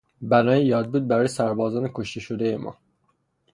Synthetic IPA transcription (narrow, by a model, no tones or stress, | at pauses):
bænɒːjejɒːd̪̚buːd̪̚bæɾɒːjesæɾbɒːzɒːnekʰoʃt̪ʰeʃod̪ejemɒ̰ː